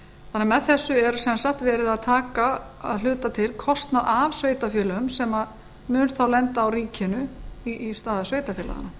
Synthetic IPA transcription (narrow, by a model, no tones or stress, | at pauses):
θanːamɛðθɛsːʏɛɾsɛnsahkt̪vɛːɾɪðaðt̪ʰaːka | a̰ðlʏːt̪at̪ʰɪlkʰɔst̪naðavsveːjt̪afjɛːlaʏmsɛma | mʏːnθawlɛnt̪aːwɾiːcɪnʏiist̪aːðasveːjt̪afjɛːla̰ɣa̰na